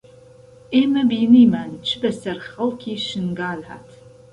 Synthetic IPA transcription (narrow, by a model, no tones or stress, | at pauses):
eːmɐbiːniːmaːnt͡ʃʰɨbɐsɐrχɐlkʲʰiːʃɨnɡaːlħa̰ːtʰ